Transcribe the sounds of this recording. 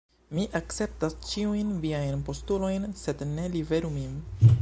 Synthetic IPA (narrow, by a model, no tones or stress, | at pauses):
miʔakt͡se̞p̚tast͡ʃiujnviajnpo̞stulo̞jnse̞dne̞live̞ɾumin